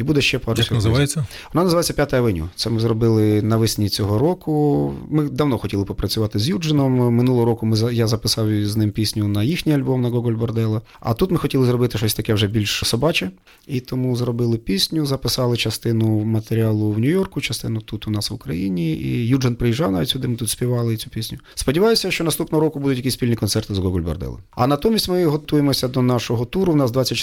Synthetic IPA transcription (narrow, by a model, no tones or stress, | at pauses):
ibud̪ɛʃt͡ʃɛpɑɾnɐzɪɑjeːɐ | ʋɔnɑnɐzʋɑjet͡sʲːɐpʲjat̪ɐjɐʋɪnʲʊ̰t̪sɛmɪzrɔbɪlˠɪnɐʋɪsʲnʲit͡sʲɔɦɔɾɔkʊmɪd̪ɐwnɔxɔtʲilˠɪpɔpɾɐt͡sʲʊʋɑt̪ɪzjud͡ʒenɔmːɪnulˠɦɔɾɔkʊmɪzjazɐpɪsɑwznɪmpʲisʲnʲʊnɐjixnʲijɐlʲbɔmnɐɡɔɡɔlʲbɔrd̪ɛlˠɐ | ɐ̰t̪ut̪mɪxɔtʲilˠɪzrɔbɪt̪ɪʃɔsʲt̪ɐkɛwʐɛbʲilʲʃsɔbɑt͡ʃɛ | it̪ɔmuzrɔbɪlˠɪpʲisʲnʲʊzɐpɪsɑlˠɪt͡ʃɐst̪ɪnʊmɐt̪eɾʲɪɑlˠʊwnʲʊjɔrkʊt͡ʃɐst̪ɪnʊt̪ut̪ʊnɑsʋʊkɾɐjinʲiḭjud͡ʒɐnpɾɪjiʒːɑwnɑʋʲitʲsʲʊd̪ɪmɪt̪ut̪sʲpʲiʋɑlˠɪt͡sʲupʲisʲnʲʊ | spɔdʲiʋɑjʊsʲɐʃt͡ʃɔnɐst̪upnɔɦɔɾɔkʊbud̪ʊtʲjɐkisʲpʲilʲnʲikɔnt̪sɛrt̪ɪzɡɔɡɔlʲbɐ̰rd̪ɛ̰lˠɐ̰ɐnɐt̪ɔmʲisʲtʲmɪɦɔt̪ujemɔsʲɐd̪ɔnɑʃɔɦɔt̪uɾʊwnɑzd̪ʋɑt͡sʲːɐtʲ